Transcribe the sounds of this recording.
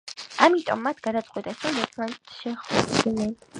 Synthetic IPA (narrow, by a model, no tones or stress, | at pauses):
amit̪ʼɔ̰mːat̪ʰɡ̥ad̪at̪sʼqʼwit̪ʼɛsɾɔmɛt̪ʰmant̪ʰʃɛχɛd̪inɛn